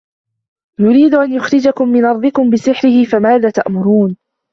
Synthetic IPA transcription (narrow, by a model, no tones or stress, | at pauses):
jʊɾiːd̪ʊʔanjʊxɾɪd͡ʒakʊmːɪnʔɑɾˤd̪ˤɨkʊmbɪsɪħɾɪhɪfamaːðaːt̪aʔmʊɾuːn